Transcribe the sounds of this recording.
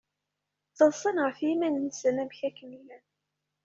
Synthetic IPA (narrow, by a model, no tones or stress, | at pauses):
θəlsˤənʁəfimænənsənæmçækːənilæn